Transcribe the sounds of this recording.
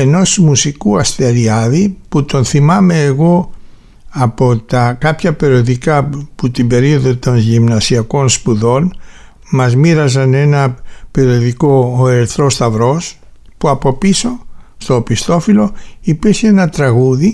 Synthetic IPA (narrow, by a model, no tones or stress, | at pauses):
e̞no̞smusikuɐst̪e̞ɾiɐðiput̪o̞nθimɐme̞ːɣo̞ | ɐpo̞t̪ɐkɐpçɐpe̞ɾio̞ðikɐput̪imbe̞ɾio̞ðo̞t̪o̞nʝimnɐsiɐko̞nspuðo̞n | mɐzmiɾɐzɐne̞nɐpe̞ɾio̞ðiko̞eɾθɾo̞st̪ɐvɾo̞s | puɐpo̞piso̞st̪opist̪o̞filo̞ipiɾçeenɐt̪ɾɐɣuði